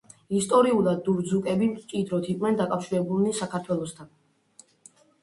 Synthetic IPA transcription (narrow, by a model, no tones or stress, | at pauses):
ist̪ʼɔɾiulˠad̪ːuɾd̪zukʼɛbimt͡ʃʼid̪ɾɔt̪ʰiqʼwnɛnd̪akʼafʃiɾɛbulˠnisakʰaɾt̪ʰwɛlˠɔst̪ʰan